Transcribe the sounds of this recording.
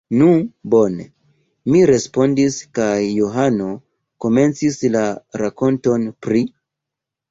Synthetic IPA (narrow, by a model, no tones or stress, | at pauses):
nubo̞ne | miɾe̞spo̞ndiskajːoɦano̞ | ko̞me̞nt͡sislaɾako̞nto̞npɾi